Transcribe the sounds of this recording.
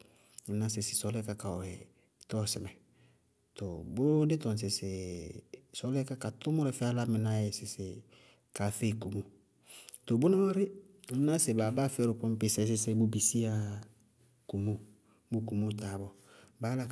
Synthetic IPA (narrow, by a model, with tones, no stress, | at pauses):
m̩˦na˦s̬ɪ˨sɪ˨sɔ˨˦lɛ˦ka˦ka˨ɔ˨ɛ˨ | tɔ˦˨sɪ˨mɛ˨ | to˨bʊ˦dɪ˦tɔ˨n˨s̬ɪ˨sɪ˨ | sɔ˨˦lɛ˦ka˦ka˨tʊ˦mʊ˦ɾɛ˨fɛ˦a˦la˦mɪ˨na˦jɛ˨sɪ˨sɪ˨ | ka˨fe˦i˨ku˨mo˦ | t̪o˨bʊ˦nã˦wa˦ɾɪ˦˨ | m˦na˦sɪ˨baː˨˦baː˦fɪ˦ɛ˦ɾʊ˨pɔ̃˦m˦pɪ˨sɛ˦sɪ˦se˨bʊ˦bi˨si˦a˦˨ | ku˨mo˦ | bo˨˦ku˨mo˦˨ta˨bɔ˦˨ | baː˦la˦